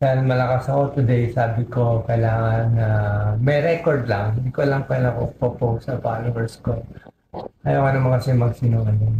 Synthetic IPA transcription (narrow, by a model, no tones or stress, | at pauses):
d̪̥aːɪlmɐlɐkasɐko̞t̪ʊd̪ejsaːbɪko̞kɐjlaːŋɐnːɐmɐjɾɛkoɹd̪lɐŋɪnd̪bikolɐŋpɛlɐkopopowsɐpa̰lowɛɹsko | ɐjawkɐnɐŋmɐŋasɐjmɐɡsiːnoŋɐno